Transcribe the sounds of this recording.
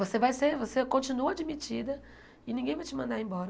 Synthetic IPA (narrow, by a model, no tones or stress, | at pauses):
vosevajseɾvosekõt͡ʃinuɐad͡ʒimit͡ʃid̪ɐ | ɪnĩŋɡẽj̃vajt͡ʃɪmɐ̃nd̪aɾẽj̃bɔɾɐ